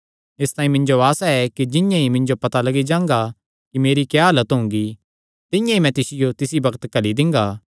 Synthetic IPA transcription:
ɪst̪ãːĩmɪ̃ɲd͡ʒoaːsaɛkid͡ʒɪ̃jãimɪ̃ɲd͡ʒopɐt̪alɐɡid͡ʒãːŋ̆ɡa | kimeːɾikjaːɦɐlət̪ɦʊ̃ŋɡi | t̪ɪ̃jãimɛ̃t̪ɪsɪjot̪ɪsibɐkət̪kɐlid̪ɪ̃ŋɡaː

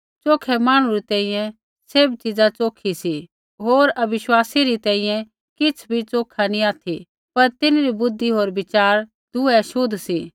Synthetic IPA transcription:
t͡soːkʰɛmaːɽ̃uɾit̪ɛ̃ːĩːjɛ̃ | sebt͡ʃɪd͡zat͡soːkʰisi | ɦoːɾɐbɪʃwaːsiɾit̪ɛ̃ːĩjɛ̃ | kɪt͡sʰbʱit͡soːkʰanĩaːt̪ʰi | pɐɾt̪ɪnɾibʊd̪ʱːiɦoːɾbɪt͡ʃaːɾ | d̪ʊɛʃʊd̪ʱsi

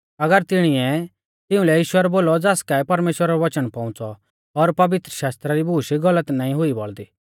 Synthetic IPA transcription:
ɐɡəɾt̪ɪɽ̃iɛ | t̪ɪʊ̃lɛjiːʃʊwɛɾboːlɔd͡zaskaɛpɐɾmeːʃwəɾaɾɔʋɐt͡ʃənpɐ̃ʊ̃t͡sɔ | ɔɾpɐʋɪt̪ɾəʃaːst̪ɾaɾibʱuːʃiɡɐlət̪naːĩɦʊibɔɭd̪iː

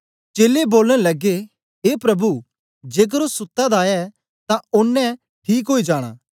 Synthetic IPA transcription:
t͡ʃeːleboːlɽ̃ɛlɐɡe | ɦeːpɾɐbu | d͡ʒeːk̬əɾosʊt̪ːad̪aːjɛ | t̪ãʊnːɛ̃ | ʈʰiːk̬ɦoːid͡ʒaːɽ̃a̰ː

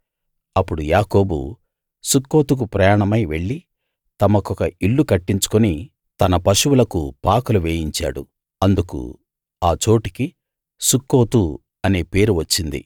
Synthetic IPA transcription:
ɐpːuɽujaːko̞ːbṵ | sukːo̞ːt̪uk̬upɾɐjaːɳɐmɐjʋe̞ɭːi | t̪ɐmɐkɔkɐʔiɭːukɐʈːiɲt͡ʃu̥kuni | t̪ɐnɐpɐʃuwulɐkupaːkuluʋeːjiɲt͡ʃa̰ːɽṵ | ɐnd̪ukṵ | aːt͡ʃo̞ːʈiki | sukːo̞ːt̪u | ɐne̞ːpe̞ːɾuʋɐt͡ʃːind̪ḭ

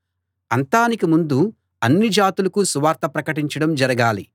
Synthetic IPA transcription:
ɐnt̪aːnikimund̪u | ɐnːid͡ʒaːt̪ulɐkusuʋaːɾt̪ɐpɾɐkɐʈiɲt͡ʃɐɽɐmd͡ʒɐɾɐɡaːli

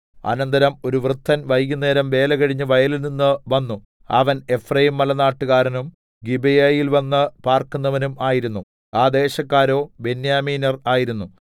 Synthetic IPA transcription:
ɐ̰nɐnd̪ɐɾɐmo̞ɾuʋrɨt̪ʰːɐnʋɐjɡune̞ːɾɐmʋe̞ːlɐɣɐɻiɲːɨʋɐjɐlilninːɨʋɐnːu | ɐ̰ʋɐne̞frɐjumːɐlɐnaːʈːuɣaːɾɐnum | ɡibejajilʋɐnːɨpaːrkunːɐʋɐnumaːjiɾunːu | aːd̪e̞ːɕɐkːaːɾo̞ːbe̞njaːmiːnɐraːjiɾunːu

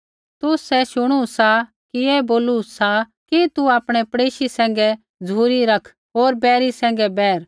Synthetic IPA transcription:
t̪ʊsɛʃʊɽ̃usa | kijɛboːlusa | kit̪uaːpɽ̃ɛpɐɽeːʃisɛ̃ːŋ̆ɡɛ | d͡zʱuːɾiɾɐkʰ | ɦoːɾbɛːɾisɛ̃ːŋ̆ɡɛbɛːɾ

